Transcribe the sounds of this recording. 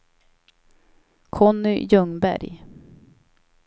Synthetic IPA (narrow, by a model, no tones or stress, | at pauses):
kʰɔnʏjɵŋbæ̰ɾj